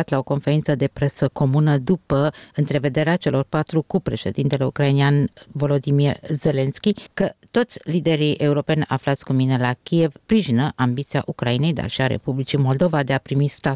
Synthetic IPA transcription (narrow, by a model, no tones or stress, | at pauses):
at̪lao̞ko̞nfe̞ɾint̪səd̪e̞pɾe̞səko̞munəd̪upəɨnt̪ɾe̞ve̞d̪e̞ɾeat͡ʃe̞lo̞rpat̪ɾukupɾe̞ʃe̞̰d̪int̪e̞le̞ṵkɾainianvo̞lo̞d̪imirze̞le̞nskʲikət̪o̞t̪sʲlid̪e̞ɾiʔe̞uɾo̞pe̞nʲa̰flat̪sʲkumine̞lakʲije̞vspɾiʒinəʔambit̪sia̰ʔukɾaine̞jd̪a̰rʃiaɾe̞̰publit͡ʃimo̞ld̪o̞vad̪e̞apɾimist̪a